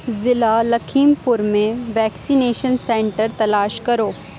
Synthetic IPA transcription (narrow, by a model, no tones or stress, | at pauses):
zɪlalɐkʰiːmpʊɾmẽʋɛːksineːʃənsẽːɳʈəɾt̪ɐlaːʃkɐɾoː